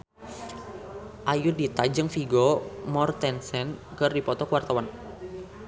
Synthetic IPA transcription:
ʔajudit̪ad͡ʒɨŋfiɡɔmɔrt̪ɛnsɛnkɨrdipɔt̪ɔkəwart̪awan

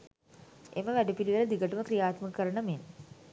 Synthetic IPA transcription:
ʔeməʋæɖupiliʋələd̪iɡəʈəməkrijaːt̪məkəkəɾəɳəmen

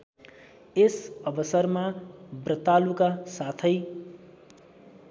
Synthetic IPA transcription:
esʌbʌsʌrmabrʌt̪alukasat̪ʰʌj

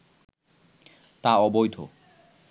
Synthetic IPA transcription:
t̪aɔbojd̪ʱo̰

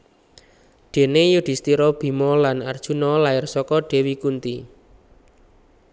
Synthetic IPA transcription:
ɖ̪̥e̤nejuɖ̪̥i̤st̪iɾɔb̥i̤mɔlanard̥ʒ̥unɔlaɪrsɔkɔɖ̥e̤wikunt̪i

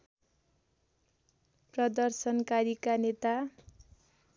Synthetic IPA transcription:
prʌd̪ʌrsʌnkaɾikanet̪a

